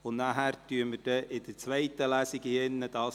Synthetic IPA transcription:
ʊnnaɦæɾtyəməd̥ɛʔɪd̥̪əɾt͡sʋɛɪt̪əlæsiɡɪnːəd̥ɑː

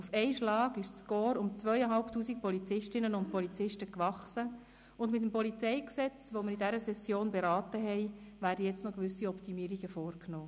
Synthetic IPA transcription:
ufɛɪʃlɑːɡɪʃt͡skoːɾʊmt͡sʋœʏəɦɑlptuːsik̚pɔlit͡sɪʃtɪnənʊnt̚pɔlit͡sɪʃtəkʋɑχsə | ʊndmɪt̪̬ːəmpɔlit͡sɛɪksɛt͡sʋoməɾidɛɾəsɛsjoːnbeɾɑːtəɦɛɪ | væːɾdəjɛt͡stnɔkʋʏsiɔptimiːɾiɡəfoːɾknoː

